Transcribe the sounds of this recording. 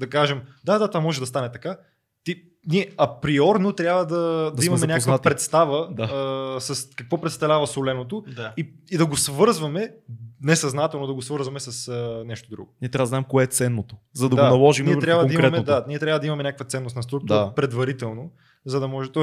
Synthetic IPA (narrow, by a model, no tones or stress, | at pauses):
d̪ɐkaʒɛmd̪ad̪at̪vamɔʒɛd̪ɐst̪anɛt̪ɐka | t̪i | niɛɐpɾiɔɾnot̪ɾjabvəd̪ɐd̪imɐmɛnʲakkvpɾɛt̪st̪avəd̪asɐskɐkvɔpɾɛt̪st̪ɐvlʲavɐsolɛnot̪oai | id̪ɐɡosvɤɾzvɐmɛnɛsɐznat̪ɛlˠnod̪ɐɡosvɤɾzvɐmɛsɐsənɛʃt̪od̪ɾṵɡoniɛt̪ɾavəd̪znaɛmkoɛt̪sɛnːot̪o | zɐd̪ɐd̪anɐlˠɔʒimɛt̪ɾʲjabvəd̪ɐiɾɛmɛtd̪aniɛt̪ɾʲjavəd̪ɐimɐmɛnʲakəkvət̪sɛnːost̪nɐst̪ɾuk̚t̪ɾpɾɛd̪vɐɾit̪ɛlˠno | zɐd̪ɐmɔʒɛt̪ɔi